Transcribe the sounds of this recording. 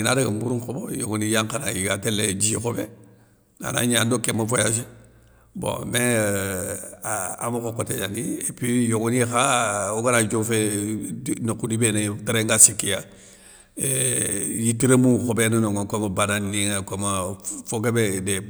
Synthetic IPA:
inadaɡambuɾuŋkobojoɡonijaŋkana̰jiɡatelːeɟixobḛ | a̰na̰ɲandokemofojaʃ̬i | bo̰me | a̰makokoteɲaniepijoŋonixaoɡanad͡ʒofe | nokudibenetaɾeŋɡasikːija | ejitiɾemuxobenanoŋokomabananːiŋakomafoɡebede

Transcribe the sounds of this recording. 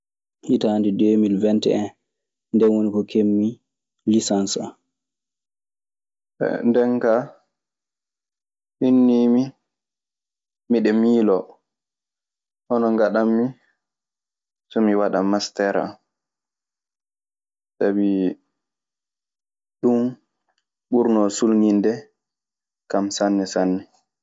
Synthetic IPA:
hitandidemilvɛntɛɛn | ndɛnwonikɔkʰemːi | lisansa | ɛ̰ndɛŋka | ʔinːiːmi | mmiɗɛmiːlɔ | ʔɔnɔŋɡaɗamːi | sɔmiwaɗamːastɛɾa̰ | sabi | ɗum | ɓuɾnɔsulŋindɛ | kamsanːɛsanːɛ

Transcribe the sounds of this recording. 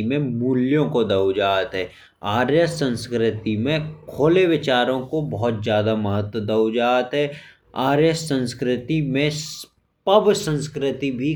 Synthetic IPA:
imẽmuːljõkod̪ɐʊd͡ʒaːt̪ɦɛː | aːɾjəsə̃nskɾɪt̪imẽkʰoːleʋɪt͡ʃaːɾõkobɔɦʊt̪zjaːd̪aməɦət̪wəd̪ɐʊd͡ʒaːt̪ɦɛː | aːɾjəssə̃nskɾɪt̪imẽs | pɐbsə̃nskɾɪt̪ibʱi

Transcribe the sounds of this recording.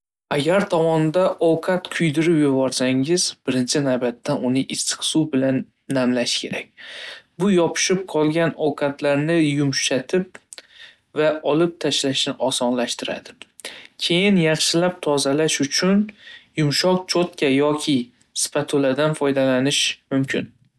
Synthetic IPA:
aɡʲaɾt̪ʰɒmɒnd̪aʔɒwqʰɑt̪kʰʊjd̪ɪɾɪpjʊbɒɾsaŋɪzb̥ɪɾɪnt͡ʃʰɪnawbat̪ʰːaʊnɪʔɪst̪ʰɨ̥χsubɪlanː | amlaʃɪ̥kʲʰe̞ɾak̚ʲbʊjɒpʰɪ̥ʃɪp̚qʰɒlˠɡʲanɒwqʰɑt̪ʰlaɾnɪjʊmʃat̪ʰɪp̚ | vaɒlɪp̚t̪ʰaʃlaʃnɪʔɒsɒnlaʃt̪ɪɾa̰d̪ɪ̥ | kʲʰe̞jɪnjɑχʃɪlap̚t̪ʰɒzalaʃʊt͡ʃʰʊnjʊmʃɒq̚t͡ʃʰot̪kʲajɒkʲʰɪ | spʰat̪ʰolad̪anfɒjd̪alanɪʃmʊmkʲʰɪn

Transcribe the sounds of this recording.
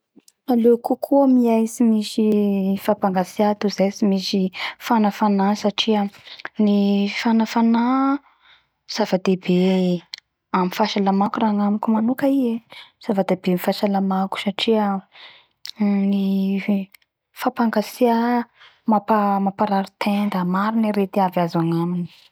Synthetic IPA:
alekukʰuamiajsimisifapaŋɡasiat̪uzajsimisifanafanasaʈ͡ʂiənifanafana | z̥avad̪eb̥e | amifaʃalamakuraŋamikumanukaiez̥avad̪ebemifasalamaku̥saʈ͡ʂiə | ni | fapaŋɡasia | mapamapaɾaɾut̪ʰend̪əmaɾiniɾet̪iavazaŋamini̥

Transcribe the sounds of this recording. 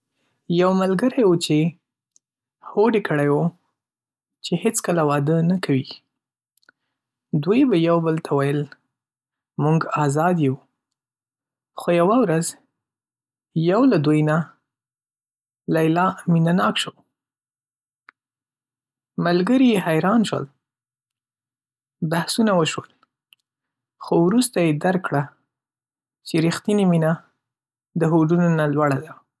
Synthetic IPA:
jawmalɡəɾajwut͡ʃe | hoɖekʰəɽajwo | t͡ʃehet͡skəlawɑd̪ənakʰawi | d̪wujbajawbəlt̪ʰawajəl | muŋɡɑzɑd̪jeu | xojawawɾaz | jawlad̪ujna | lajlɑminanɑkʃəw | malɡəɾihajɾɑnʃwə̰l | bahsunawəʃwəl | xowɾust̪ajed̪aɾkɽa | t͡ʃeɾixt̪inimina | d̪əɦoɖunonalwaɽad̪a

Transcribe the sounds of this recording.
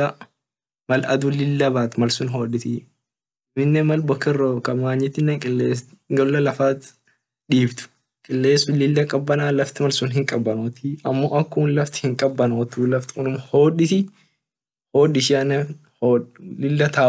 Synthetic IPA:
ɐ | mɐlɐ̰d̪ulɪlːɐbaːt̪ɪmɐlsʊnɦo̞ːᶑɪt̪ɪ | mɪnːɛmɐlbɔkːɐrokɐmaːɲːɪt̪ːɪnːɛŋkʼɪlːeːsɡɐllːɐlɐfaːt̪ | ᶑiːbt̪ʊ̥ | kʼɪlːeːsʊlɪlːɐkʼɐbːɐnaːlɐft̪ɪmɐlsʊnɦɪŋkʼɐbːɐnoːt̪iɐmːoːʔɐkːuːnlɐft̪ɪ̥hɪŋkʼɐbːɐnoːt̪uːlɐft̪ɪ̥ʊnʊmho̞ːᶑɪt̪ɪ | hoːᶑɪʃɪɐnɐ | holɪlːɐt̪aː

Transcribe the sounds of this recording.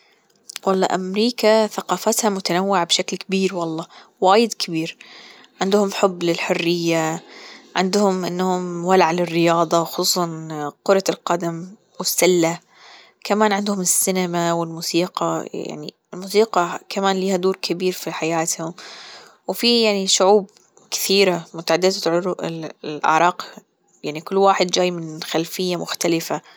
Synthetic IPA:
wɑlˤːɑ̰ːʔamɾiːkaθaqɑːfat̪hamʊt̪anawːɪʕbʃaklkɪbiːɾwɑlˤːɑːwaːjɪd̪kʰɪbiːɾ | ʕɪnd̪hʊmħʊbːlɪlħʊrːɪjːa | ʕɪnd̪hʊmʔɪnːhʊmwalaʕalɪrːɪjɑːd̪ˤɑwxsuːsˤɑnqʊɾˤɑlqɑd̪am | wɪsːalːa | kamaːnʕɪnd̪hʊmɪsːɪnamawɪlmuːsiːqɑj̰ja̰ʕnḭ | ɪlmuːsiːqɑkʰamaːnliːhad̪uːɾkʰɪbiːɾfiħajaːt̪hʊm | wfijaʕniʃʊʕuːb̚ | kɪ̥θiːɾamʊt̪aʕad̪ːɪd̪at̪ʕʊɾʔɪ̰lʔa̰ʕɾˤɑːq | jaʕnikʊlːwaːħɪd̪̚d͡ʒaːjmɪnxalfɪjːamʊxt̪alɪfa

